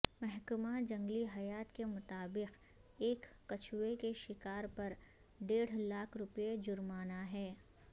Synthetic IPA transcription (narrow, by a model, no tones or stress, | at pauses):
mɛɦkəmad͡ʒɐ̃ŋɡliɦɐjaːt̪kemʊt̪aːbɪq | eːkːɐt͡ʃʰwekeʃɪkaːɾpɐɾ | ɖeːɽ̤laːkʰɾʊpjed͡ʒʊɾmaːnaɦɛː